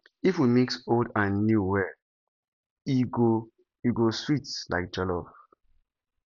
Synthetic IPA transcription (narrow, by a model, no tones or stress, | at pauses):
ifwimeksoldãnːjuwɛ | iɡo | iɡoswitla̰ɪk̚d͡ʒɔlɔp